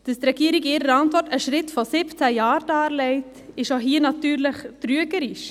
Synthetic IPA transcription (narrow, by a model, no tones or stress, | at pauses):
d̥əst̪ɾɛɡ̥iːɾiɡɪːɾəɑntvɔtəʃɾɪtfɔsɪpt͡sæjɑːɾd̥ɑːɾlɛɪt | ɪʃoɦiːənɑt̪yːɾləχtɾyəɡəɾiʃ